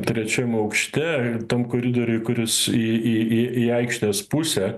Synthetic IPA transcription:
t̪ʲɾʲɛt͡ʃʲɛmɐʊkʃʲt̪ʲɛt̪ɐmkoːɾʲɪd̪oːɾʲʊɪkʊɾʲɪsiiiiɐɪkʃʲnʲeːspusʲɛ

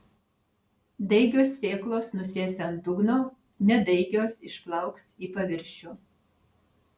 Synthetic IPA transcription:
d̪ɐɪɡʲoːsːʲeːklˠoːsnʊsʲeːsʲɛɐnt̪ʊɡnoː | nʲɛd̪ɐɪɡʲoːsɪʃplˠɐˑʊksiːpɐʋʲɪɾʲʃʲʊ

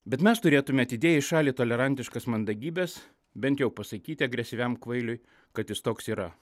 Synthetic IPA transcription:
bʲɛt̪mʲɛst̪ʊɾʲeːt̪ʊmʲɛɐt̪ʲɪd̪ʲeːjɛɪʃɑːlʲiːt̪oːlʲɛɾɐnʲt̪ʲɪʃkɐsmɐnd̪ɐɡʲiːbʲɛs | bʲɛnt̪ʲjɛʊpɐsɐkʲiːt̪ʲɪɐɡɾʲɛsʲɪʋʲɛmkʋɐɪlʲʊɪ | kɐt̪jɪst̪oːksiːɾɐ

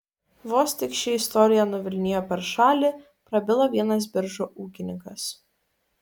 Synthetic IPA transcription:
ʋoːsʲt̪ʲɪkʃʲɛɪst̪ɔɾʲɪjɛnʊʋʲɪlʲnʲɪjoːpʲɛɾʃɑːlʲɪ | pɾɐbʲɪlˠɐʋʲiɛnɐs̬bʲɪɾʒuʔuːkʲɪnʲɪŋkɐs

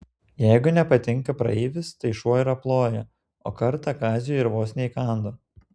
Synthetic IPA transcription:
jɛɪɡʊnʲɛpɐt̪ʲɪŋˑkɐpɾɐ̰ɛːʋʲɪst̪ɐɪʃuɔɪɾɐplˠoːjɛ | o̰ːkɐɾt̪ɑkɑːzʲujɪɾʋoːsʲnʲeɪkɑˑnd̪oː

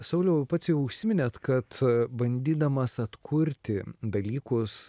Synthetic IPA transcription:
sɐʊlʲɛʊpɑːt̪sʲjɛʊʊʃʲsʲɪmʲɪnʲɛːt̪kɐt̪bɐnʲd̪ʲiːd̪ɐmɐsɐt̪kʰʊɾʲt̪ʲɪd̪ɐlʲiːkʊs

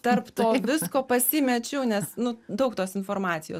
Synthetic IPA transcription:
t̪ɐrpt̪oːʋʲɪskoːpɐsʲɪmʲɛt͡ʃʲɛʊnʲɛsnʊd̪ɐʊkt̪oːsɪnfoːɾmɑːt̪sʲɪjoːs

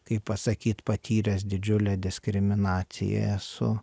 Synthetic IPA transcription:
kɐɪppɐsɐkʲiːt̪pɐt̪ʲʰiːɾʲɛsd̪ʲɪd͡ʒʲʊlʲɛːd̪ʲɪsʲkɾʲɪmʲɪnɑːt̪sʲɪ̰jɛ̰sʊ̰

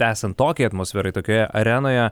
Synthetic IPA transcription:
æːsʲɐnt̪t̪ːoːkʲɛɪɐt̪moːsʲfʲɛɾɐɪt̪oːkʲoːjɛʔɐɾʲɛnoːjɛ

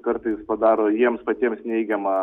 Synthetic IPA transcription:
kɐɾt̪ɐɪspɐd̪ɑːɾoːjiɛmspɐt̪ʲiɛmsnʲɛɪɡʲɛmɐ

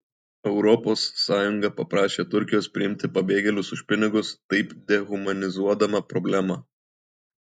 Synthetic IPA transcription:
ɛʊɾɔposːɑːjʊŋɡɐpɐpɾɑːʃʲeːt̪ʊɾʲkʲɪjoːspʲɾʲɪɪmʲt̪ʲɪpɐbʲeːɡʲɛlʲʊsʊʃʲpʲɪnʲɪɡʊst̪ɐɪpd̪ʲɛɣʊmɐnʲɪzuɔd̪ɐmɐpɾɔbʲlʲæːmɑ

